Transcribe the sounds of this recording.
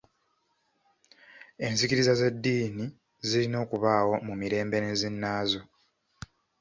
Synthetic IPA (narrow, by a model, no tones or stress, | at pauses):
e̞nzikiɾizaze̞dːiːni | zilino̞ːkuβaːwo̞mumiɾe̞ːmbe̞nezinːaːzo̞